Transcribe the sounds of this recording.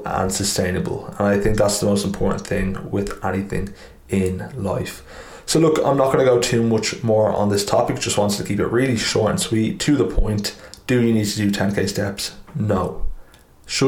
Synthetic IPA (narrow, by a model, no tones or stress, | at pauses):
ə̰̃nsəstʰẽɪ̃nəbə̰lˠə̰̃naɪθɪ̃ŋk̚ðætsðəmoʊstmpʰɔɹʔn̩θɪ̃ŋwɪðɛniθɪ̰̃ŋ | ɪ̃nla̰ɪf | soʊlʊkã̰ɪ̃mnət̚ɡ̥ʌnəɡoʊtʰʉmʊt͡ʃmɔːɹə̰̃nðɪstʰɑpɪk̚d̥ʒ̥ʌst̚wɑ̃ntstʰə̥kʰipɪ̰ʔɹɪːliʃɔːɹtə̰̃nswiˑtʰəðəpʰɔ̰̃ɪ̃ntd̥əjənid̚tʰədətʰɛ̃nkʰeɪstɛpsnoʊ | ʃʊ